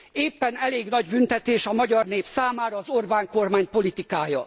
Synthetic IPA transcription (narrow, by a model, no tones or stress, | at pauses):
eːpːɛnɛleːɡnɒɟbynt̪ɛt̪eːʃɒmɒɟɒrneːfsaːmaːɾɒːzorbaːŋko̞rmaːɲpo̞lit̪ikaːjɒ